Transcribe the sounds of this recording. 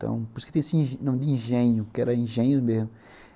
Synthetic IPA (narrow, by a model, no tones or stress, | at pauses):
t̪ɐ̰̃w̃poɾsket̪ẽsĩʒnɐ̃w̃d̪ɪĩʒẽɲʊkɛɾɐĩʒẽɲʊzmezmʊ